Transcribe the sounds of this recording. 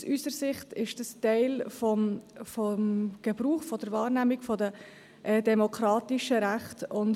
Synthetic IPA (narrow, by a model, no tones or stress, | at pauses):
syːsəɾsɪχtɪʃd̥əstɛɪlfɔmfɔmɡ̥əbɾuːχfɔd̥əɾvɑːɾnæːmɪkfɔdə | ʔɛdɛmokʰɾɑːtɪʃəɾæχtʊn